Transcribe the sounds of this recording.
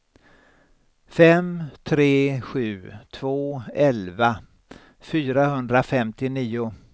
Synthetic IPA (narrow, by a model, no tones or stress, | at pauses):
fɛmt̪ʰɾeːɧʉ̟ːt̪ʰvoːɛlva | fyːɾahɵnd̪ɾafɛmt̪ɪniːʊ